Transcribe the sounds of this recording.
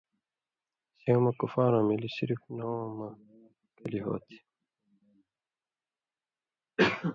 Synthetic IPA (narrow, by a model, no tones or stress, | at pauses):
seːmɐkufaːɾãmilisiɾiknoːmɐ | kɐliɦo̰ːt̪ʰi̥